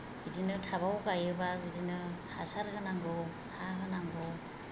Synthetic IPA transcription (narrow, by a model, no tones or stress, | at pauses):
ɯzinɯtʰaβawɡajɯbaɡɯzinɯha̰saɾɡɯnaŋɡɯw | haɦɯnaŋɡɔ